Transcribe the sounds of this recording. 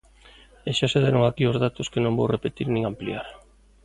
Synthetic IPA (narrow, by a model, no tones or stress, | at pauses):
eʃaseðeɾoŋakiozðat̪ʊskenõmbowrepet̪iɾnĩŋamplḭaɾ